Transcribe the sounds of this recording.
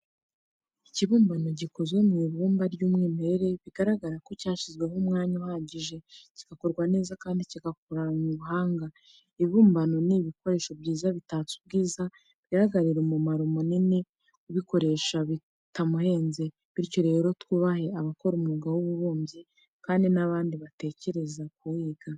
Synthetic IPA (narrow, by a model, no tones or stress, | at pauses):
iciβuːmbano̞ɟikozwemŋiːβuːmbaɾɟuːmŋiːme̞ɾeɾe̞βiɡaɾaɡaɾako̞caːʃizɡwe̞ɦomŋaːɲahaɟiʒe̞ci̥ɡ̥ako̞ɾɡwane̞ːzakaːndiciɡakoɾaɲuβuɦaːŋɡa | iβiβuːmbano̞niβiko̞ɾe̞ːʃo̞bɟiːzaβitat͡su̥b̚ɡiːza | βiɡaɾaɡaɾiɾemumaɾumonine | uβiko̞ɾe̞ːʃaβi | tamuhe̞ːnze̞ | βiɾco̞ɾeheɾo̞twuːβahe̞aβako̞ɾumuɡawuβuβuːmbji | kaːndinaβaːndiβate̞ce̞ɾe̞zakuwiːɡa